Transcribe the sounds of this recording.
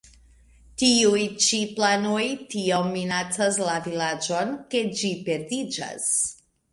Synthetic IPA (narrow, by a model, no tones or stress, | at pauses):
tiujt͡ʃiplanojtiomːinat͡saslavilad͡ʒo̞nke̞d͡ʒipe̞ɾdid͡ʒa̰s